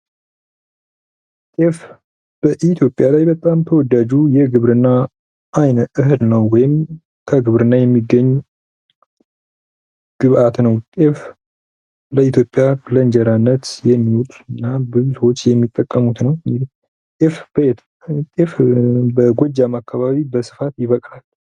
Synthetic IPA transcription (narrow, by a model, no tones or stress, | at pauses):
t̪ʼef | b̥əʔit̪ʰjo̞pʼjalajbət̪ʼamt̪ʰəwɔd̪ad͡ʒujɛɡɨβɾɨnːa | ʔajnɨɦɨd̪nəwːɔjɪm | kʰəɡɨβɾɨnːajɛmːiɡːəɲː | ɡ̥ɨβʔat̪nəwt̪ʼef | ləit̪ʰjo̞pʼːjablənd͡ʒɛɾanːət̪jɛmːiwut̪ʼɨnːabɨzusəwot͡ʃːjɛmːit̪ʼːəkʼːəmut̪nəw | t̪ʼefbə | t̪ʼefbəɡʷɔd͡ʒːamakːaβaβibəsɨ̥fat̪jɪβəkʼlal